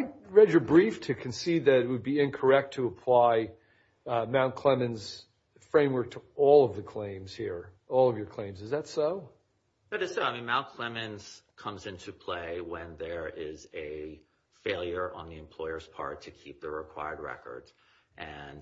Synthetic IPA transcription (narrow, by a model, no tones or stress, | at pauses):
aɪɹɛd͡ʒə˞bɹiftʰɨkʰɨ̃nsid̪̚ðɨɾɨt̚wəd̚biɪ̃nkʰə˞ɛk̚tʰɨəpʰl̥aɪ | mãʊ̃nkʰl̥ɛmɨ̃nz̥ | fɹẽɪ̃mwɜ˞k̚tʰəɔlˠʌvðɨkʰl̥ẽɪ̃mz̥hiɹ | ɔlˠʌvjə˞kʰl̥ẽɪ̃mzɨzðɨtsoʊ | ðæɾɨz̥soʊaɪmĩnmãʊ̃nkʰl̥ɛmɨ̃nz̥kʰʌ̃mzɪ̃ntʰɨpʰl̥eɪwə̃nðə˞ɪzɨ | feɪlˠjə˞ʔə̰̃nðiɨ̃mpʰl̥ɔɪə˞z̥pʰɑ̰ɹtʰɨkʰip̚ðəɹɪkʰw̥a̰ɪə˞d̚ɹɛ̰kə̰˞dz̥ʔɨ̃n